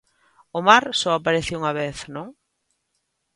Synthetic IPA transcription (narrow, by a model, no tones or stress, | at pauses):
ʊmaɾsɔapaɾeθeuŋaβeθnõŋ